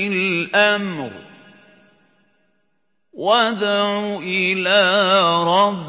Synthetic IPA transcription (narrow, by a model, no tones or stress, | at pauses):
ɪlʔamɾ | wad̪ʕuʔɪlaːɾˤɑb